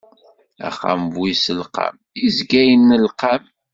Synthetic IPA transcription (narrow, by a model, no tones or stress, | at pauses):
æ̰χa̰mvwisəlqa̰m | izɡæjənːəlqam